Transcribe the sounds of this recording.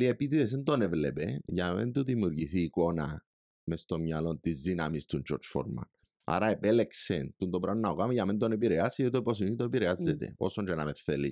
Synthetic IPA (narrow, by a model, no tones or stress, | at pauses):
liepit̪iðes̬ent̪onevlepeʝamḛnt̪uðimjuɾʝiθiːkona | mest̪omɲalont̪izðinamist̪unt͡ʃo̰ɾt͡ʃfo̰ɾma̰n | a̰ɾaepeleksent̪und̪opɾanːaokamiʝamend̪̬onep̬iɾeasiðet̪oipos̬init̪oepiɾeazːet̪ḛo̰sond͡ʒenameθːeli